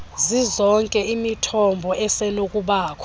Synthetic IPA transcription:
zizɔŋkʼɛimitʰɔmbʱɔʔɛsɛnokʼuɓaːkʰɔ̥

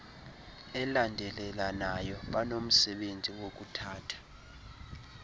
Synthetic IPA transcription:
ɛlandʱɛlɛlanajɔɓanom̩sɛɓend͡zʱiwok̬utʰaːtʰḁ

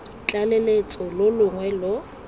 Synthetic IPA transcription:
t͡ɬʼalelet͡sʼɔlʊlʊŋwɛlʊ

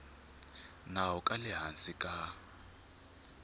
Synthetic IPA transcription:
nawɔkʼaliɦansʼikʼa

